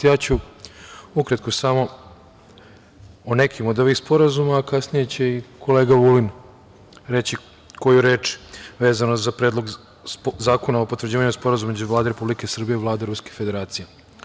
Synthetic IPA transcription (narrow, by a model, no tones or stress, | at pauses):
jaːt͡ɕu | ukɾat̪̚kosamo̞ | one̞kʰimo̞d̪o̞ʋixspo̞ɾazumaːkasnije̞t͡ɕe̞ikʰo̞le̞ːɡaʋulin | ɾe̞t͡ɕi | ko̞juɾe̞ːt͡ʃʋeːzanozapɾeːd̪lˠoɡ | zaːko̞naopot̪ʋɾr̩d͡ʑiːʋaɲɛspo̞ɾazummed͡ʑd͡ʒuʋlaːd̪eɾepublike̞sr̩bijeiʋlaːd̪eɾuskefed̪e̞ɾaːt̪sije